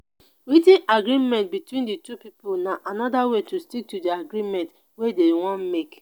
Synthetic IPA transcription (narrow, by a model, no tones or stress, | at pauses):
ɾitĩnaɡɾimɛ̃nt̚bitwĩnditupipʊlnaʔanɔdawetustik̚tudiaɡɾimɛ̃nt | wedewɔ̃n̩mek